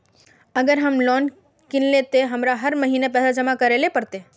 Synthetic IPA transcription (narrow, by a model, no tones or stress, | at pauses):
əɡəɾɦəmlɔːn | kɪnlet̪eɦɐmɾaɦəɾməɦiːnepɛːsad͡ʒəmakəɾelepəɾt̪e